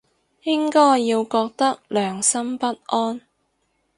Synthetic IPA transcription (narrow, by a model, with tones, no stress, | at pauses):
jɪ˥ŋkɔː˥jːiː˧wkɔː˧k̚t̪ɐ˥k̚lœː˨ŋsɐ˥mpɐ˥t̚ʔɔː˥n